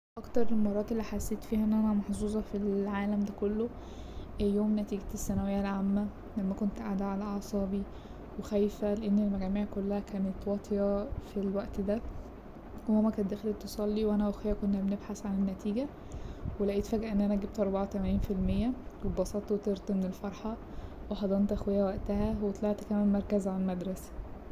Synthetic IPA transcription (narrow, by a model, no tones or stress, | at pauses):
ʔɑkt̪ɑɾˤelmɑrˤːɑːt̪elːiħasːeːt̪fiːhæʔenːʔænæmɑħzuːzˤɑfilʕaːlæmd̪ækolːo | ʔejoːmnæt̪iːɡt̪esːænæwejːælʕamːæ | læmːækont̪ʔaʕd̪æʕalæʔɑsˤɑːbi | wexæjfæleʔenːelmæɡæːmiːʕkolːæhækæːnet̪wɑt̪ˤʰjɑfilwæʔt̪d̪æ | howæmːækænd̪æxelet̪ːesˤɑlːiwʔænæʔæxwejːækonːæbenebħasʕanenːæt̪iːɡæ | welæʔiːt̪fæːɡʔæʔenːʔænæʔæɡeb̚t̪ʔɑɾˤbɑʕawt̪æmæniːnfilmejːæwebɑsˤɑːt̪ˤwet̪eɾˤt̪menelfɑɾˤħɑ | weħɑd̪ˤɑnt̪ʔæxwejːæwæʔt̪æhæwet̪ˤlɑʕt̪kæmæmmɑɾˤkæzʕallmæd̪ɾˤɑsæ̥